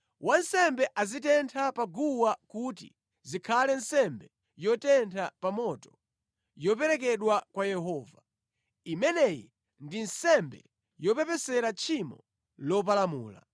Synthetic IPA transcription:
wansɛmbɛʔazitɛntʰapaɡuwakutḭ | zikʰalɛnsɛmbɛ | jɔtɛntʰapamɔtɔ̥ | jɔp̬ɛɾɛk̬ɛɗwakwajɛɦɔːva | imɛnɛjḭ | ndinsɛmbɛ̰ | jɔpɛpɛsɛɾat͡ʃʰimɔ̰ | lɔp̬alamṵːla̰

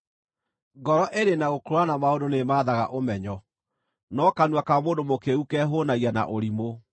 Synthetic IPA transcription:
ɡɔɾɔʔeɾenaɣokoɾoanamaondonemaːðaɣa̰ʔomɛɲɔ | nɔkanwakamoːndomokeukɛɦonaɣiana̰ʔoɾimo

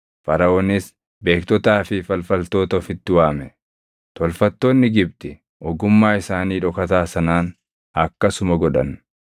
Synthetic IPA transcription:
fɐɾɐʔoːnɪs | be̞ːkt̪ɔt̪aːfɪfɐlfɐlt̪o̞ːt̪ɐfɪt̪ːɪwaːmɛ | t̪ɔlfɐt̪ːoːnːɪɡɪb̚t̪ɪ | ʔɔɡʊmːaːɪsaːniːᶑɔkɐt̪aːsɐnaːn | ɐkːɐsʊmɐɡɔᶑɐ̰n

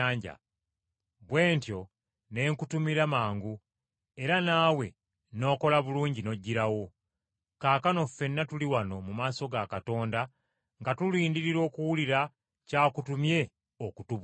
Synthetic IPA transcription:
aːɲɟa̰ | βwe̞ːntjo̞ | ne̞ːŋkutumiɾamaːŋɡu | e̞ɾanaːwe̞ | no̞ːko̞laβuluːɲɟino̞ɟːiɾawo̞ | kaːkano̞fːe̞nːatuliwano̞mumaːso̞ɡakato̞ːnda | ŋɡatuliːndiɾiɾo̞ːkuwuliɾa | caːkutumje̞ | okutuβ

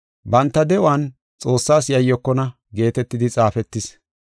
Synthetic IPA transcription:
bɐnt̪ːɐd̪ɛʔʊan | t͡sʼo̞ːsːaːsjɐjːɔkːɔnɐ | ɡe̞ːt̪ɛt̪ːɪd̪ɪt͡sʼaːfɛt̪ːɪs

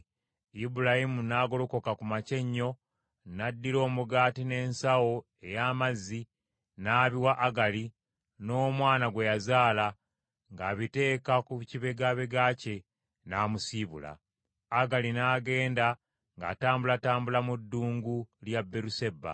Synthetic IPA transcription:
ibulahimunaːɡo̞loko̞kakumace̞ɲːo̞ | nadːiɾo̞ːmuɡaːtine̞ːnsawo̞ | e̞jaːmazːi | naːβiwaʔːɡali | no̞ːmwaːnaɡwe̞jazaːla | ŋɡaːβite̞ːkakuciβe̞ɡaβe̞ɡaːce̞ | naːmusiβṵla̰ː | ɡalinaːɡe̞ːnda | ŋɡa̰ːtaːmbulataːmbulamudːuːŋɡuljabːeɾuseba̰

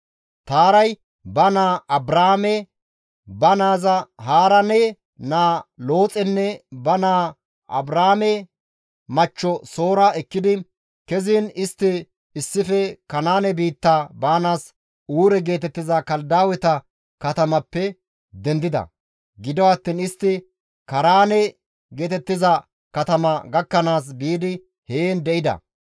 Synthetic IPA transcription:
t̪aːɾɐj | bɐnaːɐbɾaːmɛ | bɐnaːzɐhaːɾɐnɛ | naːlo̞ːt͡sʼɛnːɛbɐnaː | ʔɐ̰bɾaːmɛ | mɐt͡ʃːɔso̞ːɾaɛkːɪd̪ɪ | kɛziːnɪst̪ːɪ | ɪsːɪfɛkɐnaːnɛbiːt̪ːabaːnaːs | uːɾɛɡe̞ːt̪ɛt̪ːɪzɐkɐld̪aːwɛt̪ɐ | kɐt̪ɐmɐpːɛ | d̪ɛnd̪ɪd̪ɐ̰ | ɡɪd̪ɔwɐt̪ːiːnɪst̪ːɪ | kɐɾaːnɛ | ɡe̞ːt̪ɛt̪ːɪzɐ | kɐt̪ɐmɐɡɐkːɐnaːs̬biːd̪ɪ | heːnd̪ɛʔɪd̪ɐ̰

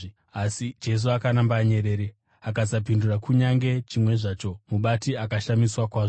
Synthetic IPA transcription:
asid͡ʒe̞s̬uakanambaːɲe̞ɾe̞ːɾe | akasap̬indurakuɲaŋɡe̞t͡ʃimwe̞ʐaːt͡ʃo̞muɓatiakaʃamiswakwaːʐo

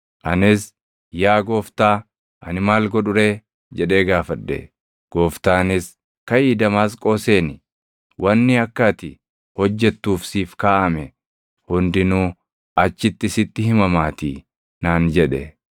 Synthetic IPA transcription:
ʔɐnɪs | jaːɡo̞ːft̪aː | ʔɐ̰nɪmaːlɡɔᶑʊɾe̞ː | d͡ʒɛᶑe̞ːɡaːfɐd̪ːɛ̰ | ɡ̥o̞ːft̪aːnɪs | kɐjiːd̪ɐmaːskʼo̞ːse̞ːnɪ | wʔɐnːɪɐkːɐt̪ɪ | hɔd͡ʒːɛt̪ːuːfsiːfkaːʔɐmɛ | hʊnd̪ɪnuː | ɐt͡ʃːɪt̪ːɪsɪt̪ːɪhɪmɐmaːt̪iː | naːnd͡ʒɛᶑɛ

